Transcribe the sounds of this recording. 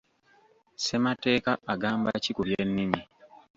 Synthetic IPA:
se̞mate̞ːkaaɡaːmba̰cikuβjenːimi

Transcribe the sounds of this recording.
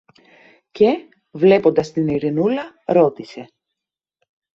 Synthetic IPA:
ce̞ | vle̞po̞nd̪ɐst̪iniɾinulɐ | ɾo̞t̪ise̞

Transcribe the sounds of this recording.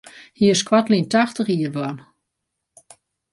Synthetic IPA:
hiəskwatlintaxtəxiərʋwɔn

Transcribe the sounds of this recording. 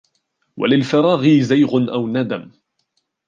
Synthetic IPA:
wa̰lɪlfɑɾˤɑːɣiːzajɣʊnʔawnad̪am

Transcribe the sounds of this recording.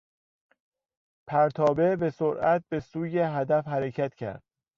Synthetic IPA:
pʰæɾt̪ʰɒːbe̞be̞soɾʔæt̪̚be̞suːjeɦæd̪æfhæɾe̞cʰæt̪cʰæ̰ɾd̪̥

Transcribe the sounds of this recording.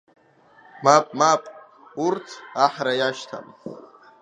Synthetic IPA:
mapʼmapʼ | urt͡sʰaħɾajaʃtʰa̰m

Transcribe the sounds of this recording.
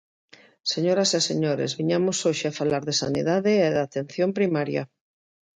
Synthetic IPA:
seɲoɾaseseɲoɾḛzβiɲamosoʃeafalaɾðesanḭðaðeːðat̪en̟θjompɾimaɾja̰

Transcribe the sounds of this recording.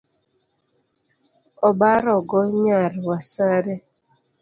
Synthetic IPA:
ɔbaɾɔɡɔɲaɾwasaɾɛ

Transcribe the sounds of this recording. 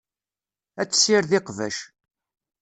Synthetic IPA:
æt͡sːsiɾðɪqvæ̰ʃ

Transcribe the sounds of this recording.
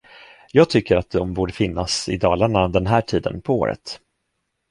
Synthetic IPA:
jɑːɡ̚t̪ʰʏkːəɾat̪̚d̪ɔmbuːɖəfɪnːasɪd̪ɑːlaɳad̪ɛnɦæːʈʰiːd̪ə̰npʰɔo̰ːɾə̰t̪

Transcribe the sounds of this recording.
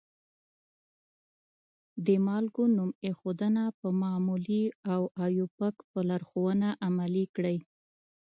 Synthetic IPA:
d̪əmɑlɡonumexod̪ənapəmɑmuliawajupəkpəlaɾxowənaʔamalikɽəj

